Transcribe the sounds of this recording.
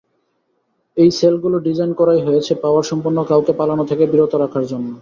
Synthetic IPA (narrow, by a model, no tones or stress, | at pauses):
ejselɡuloɖid͡ʑajnkɔɾajɦojet͡ɕʰepaoaɾʃɔmpuɾnːokawkepalanot̪ʰekebiɾot̪oɾakʰaɾd͡ʑonːo